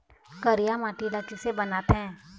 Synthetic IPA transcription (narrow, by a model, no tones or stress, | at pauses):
kəɾɪjamaːʈilakɪsebənaːt̪ɦɛ̃ː